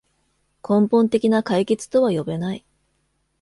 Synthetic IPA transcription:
kʰõ̞mpõ̞nt̪e̞kʲinakaike̞t͡sɨ̥t̪o̞βajo̞be̞nai

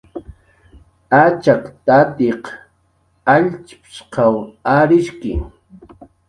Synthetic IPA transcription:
at͡ʃakt̪at̪eq | aʎt͡ʃpʃqɑwaɾɪʃkɪ̰

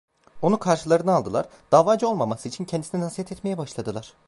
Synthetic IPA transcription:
o̞nukʰaɾʃɯlˠaɾɯnɯalˠd̪ɯlˠa̰ɾd̪̥aːvaːd͡ʒo̞lˠmamasɯit͡ʃʰincʰɛnd̪isininasijɛt̪ɛt̪me̞jɛbaʃlˠad̪ɯlˠaɾ̥

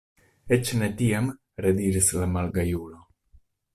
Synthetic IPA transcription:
et͡ʃne̞tiam | ɾediɾislamalɡajulo̞

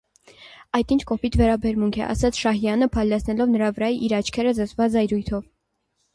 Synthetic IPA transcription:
ɑjt̪int͡ʃʰkɔpit̪ʰvɛɾɑbɛɾmuŋkʰɛ̰ʔɑ̰sɑt͡sʰʃɑɦjɑnəpʰɑjlːɛt͡sʰnɛlɔvnəɾɑvəɾɑjiʔiɾɑt͡ʃʰkʰɛɾəzət͡svɑd͡zɑjɾujt̪ʰɔv

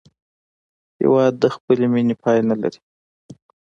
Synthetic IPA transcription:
hɪ̰wɑd̪ːəxpəleminepʰɑjnala̰ɾi̥

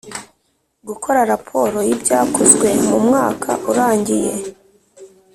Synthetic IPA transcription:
ɡukʰo̞ɾaɾapʰo̞ɾo̞jibɟaːkʰozɡwe̞mumŋaːkʰa̰ʔuɾaːɲɟije̞̰

